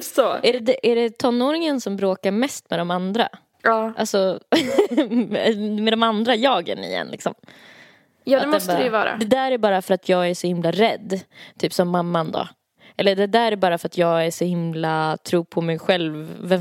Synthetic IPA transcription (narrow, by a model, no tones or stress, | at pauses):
soæɖɛd̪ɛʔæɖɛt̪ʰɔnːoːɾɪŋənsɔmbɾoːkaɾmɛst̪mɛd̪ɔmand̪ɾa̰ | ɑːʔalsɔ | mɛd̪ɔmand̪ɾajɑːɡə̰nɪ̰jɛ̰nlɪ̰ksɔ̰m | jɑːdaɛmɔstəɾɛvɑ̰ːɾa̰d̪ɛd̪æːæɾbɑːɾafœɾat̪ʰjɑːɡæʂɔhɪmlaɾɛd̪ːt̪ʰyːpsɔmːamːand̪o̰ | ʔɛlːəɖɛd̪æːɾæɾbɑːɾafœɾat̪jɑːɡæʂɔhɪmlat̪ʰɾuːpʰɔmɛjɧɛlvːɛ